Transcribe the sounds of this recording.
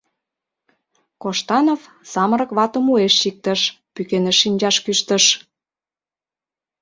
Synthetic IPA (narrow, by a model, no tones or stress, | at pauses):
koʃt̪ɑnov | sɑməɾə̆kβɑt̪ə̆mueʃʃik̚t̪ə̆ʃ | pykeneʃːinʲd͡ʑɑʃkyʃt̪ə̆ʃ